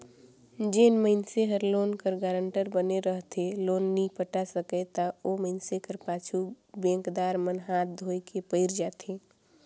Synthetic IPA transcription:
d͡ʒeːnməɪnseɦəɾloːnkəɾɡaːɾə̃ɳʈəɾbəneɾəɦt̪ʰeloːnːipəʈasəket̪aoːməɪnsekəɾpaːt͡ʃʰu | bɛ̃ːŋkd̪aːɾmənɦaːt̪̚d̪ʱoːekepəɪɾd͡ʒaːt̪ʰeː

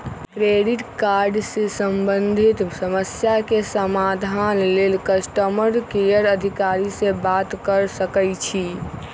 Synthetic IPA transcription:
kɾeɖiʈkaɾɖsesəmbənd̪ʱit̪səməsjakesəmad̪ʱanlelkəsʈəməɾkejəɾəd̪ʱikaɾisẽbat̪kəɾsəkəjt͡ʃʰi

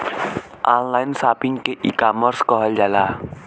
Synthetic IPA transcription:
ʔanlajnsapiŋkeʔḭkamərskɔɦəld͡ʒala

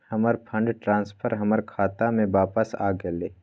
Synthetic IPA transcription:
hɐməɾpʰə̃ɳɖʈɾãːnspʰəɾɦɐməɾkʰaːt̪amẽʋaːpəsa̰ːɡeleː

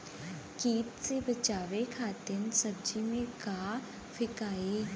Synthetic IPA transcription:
kiːt̪sebət͡ʃaːʋekʰaːt̪ɪnsəbd͡ʒimẽkaː | fʰɪkaːe

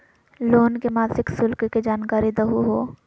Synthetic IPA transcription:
loːnkemaːsɪksʊlkked͡ʒaːnkaːɾid̪ɐɦuɦoː

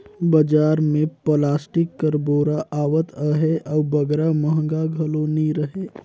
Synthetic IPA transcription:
bəd͡ʒaːɾmẽplaːsʈɪkːəɾboːɾaʔaːʋət̪əɦeʔɔːbəɡɾaməɦə̃ŋɡaɡʱəloniɾəɦe

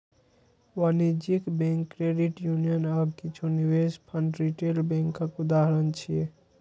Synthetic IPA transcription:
wanid͡ʒikbẽŋkːɾeɖiʈjunijənabkit͡ʃʰuniwespʰəɳɖɾiʈelbẽŋkəkud̪aɦɾənt͡ʃʰije

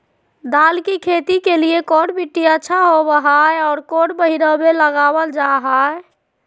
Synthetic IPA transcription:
d̪alkikʰet̪ikeliekoɽʈbiʈːiətːʃʰaɦobəɦaeɔːɾkoʈbəɦiɾəbeləɡabəld͡ʒaɦae

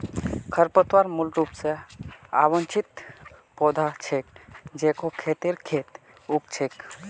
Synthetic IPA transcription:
kʰəɾpət̪ʋaɾmulɾupsea̰ʋənt͡ʃʰit̪pod̪ʱat͡ʃʰek̚d͡ʒekokʰet̪eɾkʰeːt̪ | ukt͡ʃʰek

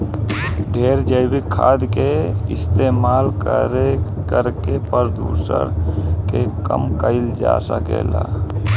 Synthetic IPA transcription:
ɖʱeɾd͡ʒəɪbikʰːa̰d̪keist̪emalkəɾe | kəɾkepəɾd̪usə̰ɾkekəmkəɪld͡ʒa̰səkḛla̰

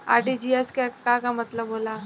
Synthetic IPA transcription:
aːɾʈid͡ʒiɛskakakamɐt̪ləbɦoːla

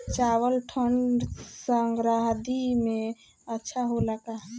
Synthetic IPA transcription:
t͡ʃawəlʈʰəɳɖsəŋɡɾaɦd̪ime | ətːʃʰaɦolakaɦ

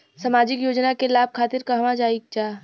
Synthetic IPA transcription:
səmaːd͡ʒɪkjoːd͡ʒnakelaːb̚kʰaːt̪ɪɾkɐɦʋãd͡ʒaːik̚t͡ʃaː

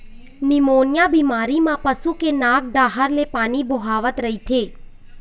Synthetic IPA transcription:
nimonjabimaːɾimãpəsukenãk̚ɖaːɦəɾlepaːniboɦaʋət̪ɾəɦit̪ʰe

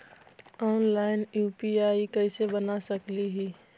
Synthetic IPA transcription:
ɔːnlaːɪnjuːpiaːikəɪsebənasəkliɦi

